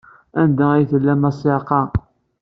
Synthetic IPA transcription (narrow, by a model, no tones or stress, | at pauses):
ænd̪æijθəlːæmɑsˤeqɑ